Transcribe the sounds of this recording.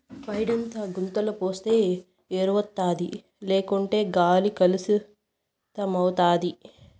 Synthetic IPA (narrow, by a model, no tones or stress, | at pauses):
pɐjɖɐnt̪aːɡunt̪ɐlupoːst̪e̞ː | eːɾʋɐt̪ːaːd̪i | leːkuɳʈe̞ːɡaːlikɐlisi | t̪ɐmɐwt̪aːd̪i